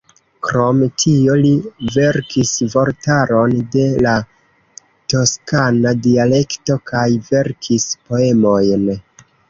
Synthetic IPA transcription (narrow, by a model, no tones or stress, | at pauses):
kɾo̞mtʰio̞live̞ɾkʰisvo̞ɾtaɾo̞nde̞la | to̞skanadiale̞kto̞kʰajve̞ɾkʰispo̞e̞mo̞jn